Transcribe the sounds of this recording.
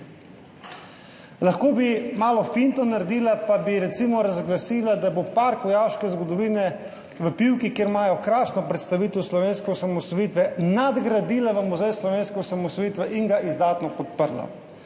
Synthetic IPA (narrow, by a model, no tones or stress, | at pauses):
laxkoːbimaːlɔfint̪ɔnaɾɛd̪iːlapabiɾɛt̪siːmɔɾazɡlasiːlad̪abopaɾkɔjawʃkɛzɡɔd̪ɔʋiːnɛ | ʋəpiwkikjeɾmaːjɔkɾaːsnɔpɾɛt̪st̪aʋiːt̪ɛwslɔʋeːnskɛɔsamɔsɔjiːt̪ʋɛnad̪ɡɾad̪iːlaʋəmuzɛjslɔʋeːnskɛɔsamɔsɔjiːt̪ʋɛʔiŋɡaʔizd̪aːt̪nɔpɔt̪̚pəɾla̰